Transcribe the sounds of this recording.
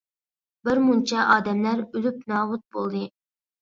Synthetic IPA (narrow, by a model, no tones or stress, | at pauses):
bɪɾmunt͡ʃʰɑʔɑːd̪ɛmlæɾylyp̚nɑːwut̪̚bolˠd̪ɨ